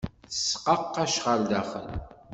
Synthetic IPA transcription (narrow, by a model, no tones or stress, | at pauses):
θə̥sqɑqːæʃʁəld̪æχə̰l